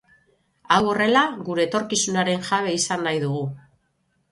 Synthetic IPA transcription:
awo̞re̞laɣuɾe̞ːt̪o̞ɾkisunaɾe̞nʝaβ̞e̞isanːajðuɣu

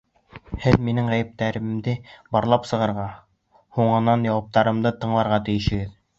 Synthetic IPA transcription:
hɘðminɘŋʁæjɘ̆p̚t̪æɾɘ̆md̪ɘbɑɾlˠɑpsɤ̆ʁɤ̆ɾʁɑ | huɴɤ̆nɑnjɑwɑp̚t̪ɑɾɤ̆md̪ɤt̪ɤ̆ɴlˠɑɾʁɑt̪ɘ̆jɘ̆ʃɘ̆ɡɘð

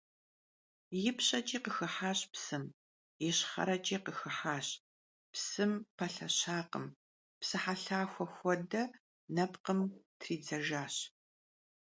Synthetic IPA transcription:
jɪpɕʼɐt͡ʃʼiːqəxɨħaːɕpsɨm | jɛɕχɐ̰ɾɐt͡ʃʼiːqəxɨħaːɕ | psɨmpʰɐɬɐɕaːqə̰m | psɨħaɬaːxʷɔxʷɔdɐ | nɐpqəmtʰriːd͡zɐʒaːɕ

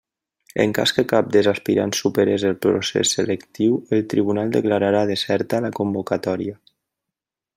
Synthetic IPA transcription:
ə̰ŋka̰skəkap̚d̪əzaspiɾa̰nsupeɾezəlˠpɾo̰sḛsːələkt̪iwəlˠt̪ɾiβunalˠd̪əklaɾaɾaðəsɛɾt̪aləkumbukat̪ɔɾia

